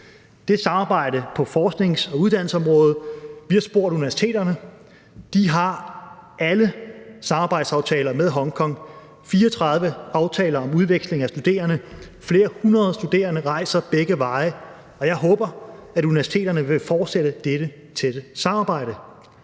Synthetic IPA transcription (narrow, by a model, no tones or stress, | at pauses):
d̥e̝sɑ̈mɑ̈ːb̥ɑ̈ɪ̰dəpʰɒ̽fɒːsɡ̥ne̝ŋsɒ̽uð̞ˠd̥æn̰l̩səɒ̽mʁɔ̽ːð̩ˠʋiɑ̈sb̥o̝ɐ̰ɾuniʋæɐsi̥t͡sʰe̝̰ːd̥ɐnə | d̥iɦɑ̈ʔæləsɑ̈mɑ̈ːb̥ɑ̈ɪd̥sɑ̈ʊt͡sʰɛːlɐmeð̞ˠɦɒ̽ŋkʰɒ̽ŋ̰ | fiːɒt͡sʰʁɑ̈ð̞ˠʋəɑ̈ʊt͡sʰɛ̰ːlɐɒ̽muð̞ˠʋeɡ̥sle̝ŋæsd̥ud̥e̝̰ːɐnə | fle̝ːɐhunʁɐðˠsd̥ud̥e̝̰ːɐnəʁɑ̈ɪ̰sɐb̥eɡ̥əʋɑ̈ɪ | ɒ̽jɑ̈ɪɦɔ̽ːb̥ɐæɾuniʋæɐsi̥t͡sʰe̝̰ːdɐnəʋe̝fɒːd̥seɾ̥əd̥eɾ̥ə | t͡sʰeɾ̥əsɑ̈mɑ̈ːb̥ɑ̈ɪ̰ɾ̥ə